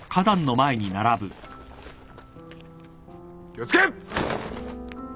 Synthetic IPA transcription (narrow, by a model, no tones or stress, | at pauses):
kʰad̪ãnːo̞mae̞ɲ̟inaɾabɯ̟ | kʲiott͡sɨ̥ke